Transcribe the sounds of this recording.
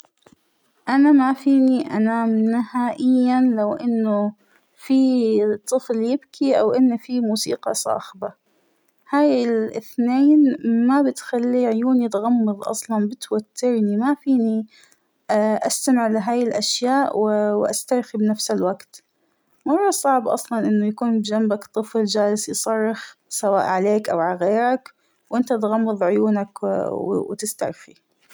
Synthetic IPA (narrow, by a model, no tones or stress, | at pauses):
ʔanamafiːniʔanaːmnɪhaːʔɪjːanlawʔɪnːʊ | fit̪ˤːɨfljɪbkʰiʔa̰wʔɪnːfimuːsḭːqɑ̰sˤɑ̰ːħba | haːjɪlʔɪθneːnmabɪt̪xalːiʕʊjuːnit̪ɣɑmːɨðˤʔɑ̰sˤlɑnbɪt̪wat̪ːɪɾnimafiːni | ʔast̪amɪʕlɪɦaːjɪlʔaʃjaːʔwwʔast̪ɑɾxibnafsɪlwaɡt̪ | mɑrˤːɑsˤɑʕbʔɑ̰sˤlɑnʔɪnːʊjakuːnbd͡ʒambakt̪ˤːɨfld͡ʒaːlɪsjsˤɑrˤːɪxsawa̰ːʔʕaleːkʔawʕalɣeːɾak | wʔɪnt̪at̪ɣɑmːɑðˤʕʊjuːnak | wt̪ɪst̪ɑ̰ɾxi